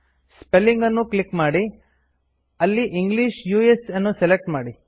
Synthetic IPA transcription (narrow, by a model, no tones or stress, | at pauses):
spelːiŋɡɐnːuklikmaːɽi | ɐlːiʔiŋɡliʃjuːesɐnːuselek̚ʈmaːɽi